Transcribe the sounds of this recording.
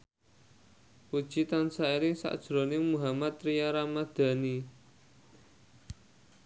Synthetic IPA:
pud̥ʒ̥it̪ansaiɾɪŋsa̰ʔd̥ʒ̥ɾo̤nɪŋmuɦamat̪ɾijaɾamad̪̥ä̤ni

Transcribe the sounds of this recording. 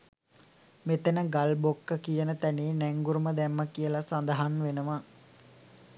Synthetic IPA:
met̪ənəɡalbokːəkijənət̪æneːnæŋɡuɾuməd̪ɛmːəkijəlasand̪əɦanʋenəma

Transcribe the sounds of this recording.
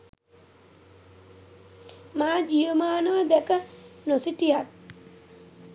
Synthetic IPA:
maːd͡ʒiəmaːnəʋəd̪ɛkənosiʈijat̪̚

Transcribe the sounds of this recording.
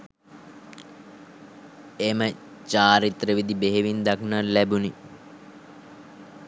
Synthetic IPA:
emə | t͡ʃaːɾit̪ɾəʋid̪ibeɦeʋind̪aknarlæbuni

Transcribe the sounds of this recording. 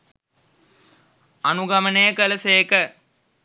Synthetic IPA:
ɐnuɡɐmɐnejkɐlɐseːkɐ

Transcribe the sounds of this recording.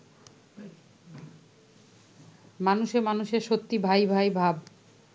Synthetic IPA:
manuʃeɾmanuʃeɾʃot̪ːibʱajbʱajbʱab

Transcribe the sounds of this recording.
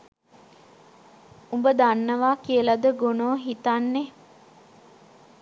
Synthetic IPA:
umbəd̪anːəʋaːkiəlad̪əɡonoːɦit̪anːe

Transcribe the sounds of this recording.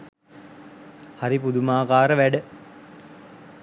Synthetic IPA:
haɾipud̪umaːkaːɾəʋæɖə

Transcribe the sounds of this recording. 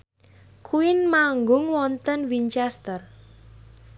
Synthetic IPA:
kʰuɪnmaŋɡʊŋwɔnt̪ənwint͡ʃɛst̪ər

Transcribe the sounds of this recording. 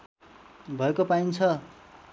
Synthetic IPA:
bʱʌekopaint͡sʰʌ

